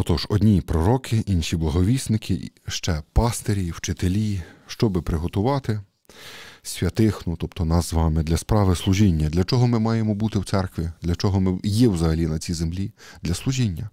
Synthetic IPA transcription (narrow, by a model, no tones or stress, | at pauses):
ɔt̪ɔʒɔd̪ʲnʲipɾɔɾɔkʰɪʔinʃʲiblˠɐɦɔʋʲisnɪkʰɪʃt͡ʃɛpɑst̪eɾʲiwt͡ʃɪt̪elʲiʃt͡ʃɔbɪpɾɪɦɔt̪ʊʋɑt̪ɪ | sʲʋʲjɐt̪ɪxnʊt̪ɔpt̪ɔnɑzzʋɑmɪd̪lʲɐspɾɑʋɪslˠʊʒinʲːɐd̪lʲɐt͡ʃɔɦɔmɪmɑjemɔbut̪ɪwt̪sɛrkʋʲid̪lʲɐt͡ʃɔɦɔmɪjɛwzɐɦɐlʲinɐt͡sʲizemlʲid̪̥lʲɐslˠʊʒʲinʲːɐ